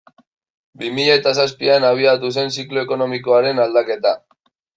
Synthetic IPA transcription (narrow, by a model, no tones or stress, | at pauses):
bimiʎaːt̪asaspianaβ̞iat̪us̬e̞nsiklo̞eko̞no̞miko̞aɾe̞nald̪ake̞t̪a